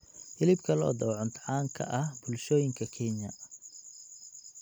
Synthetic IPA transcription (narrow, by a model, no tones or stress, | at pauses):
hɪlɪb̚kʰɐlɔ̰ːd̪ɐwʕʊnt̪ʰʕaːŋkʰɐ̰ʔɐhbʊlʃɔːjɪŋkʰɐkʰɛnjɐ̰